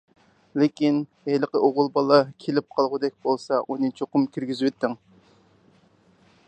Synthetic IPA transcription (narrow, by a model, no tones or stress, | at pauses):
lɪkʲin | ejləqəʔoʁʊlˠbɑlˠɑkʲʰelɪp̚qʰɑlˠʁʊd̪ɛk̚ʲbolˠsɑʔunɨt͡ʃʰoqʊmkʲʰyɾɡʲizwt̪ːɪŋ